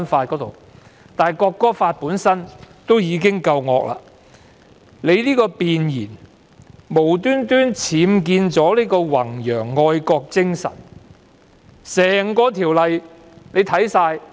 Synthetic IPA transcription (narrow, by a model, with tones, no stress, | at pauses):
nfaː˧t̚kɔː˨˥t̪o̰˨w | t̪aː˨˩jkɔː˧kːɔː˥faː˧t̚puː˨˥nsɐ˥nt̪o˥wjiː˨˧kɪ˥ŋkɐ˧wŋɔː˧k̚la̰ː˧ | le˨˧jliː˥kɔː˧piː˨njiː˨˩n | mo˨˩wt̪yː˥nt̪yː˥nt͡sʰiː˨˧mk̬iː˧nt͡sɔː˨˥liː˥kɔː˧wɐ˨˩ŋjœː˨˩ŋːɔː˧jkɔː˧k̚t͡sɪ˥ŋsɐ̰˨˩n | sɛː˨˩ŋkɔː˧t̪ʰiː˨˩wlɐ˨j | ne˨˧jt̪ʰɐ˨˥jsaː˧j